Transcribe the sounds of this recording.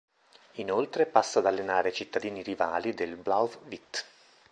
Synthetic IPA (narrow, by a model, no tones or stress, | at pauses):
inolt̪ɾepasːaːd̪alːenaːɾeat͡ʃit̪ːad̪iːniɾivaːlid̪elblawfvit̪ː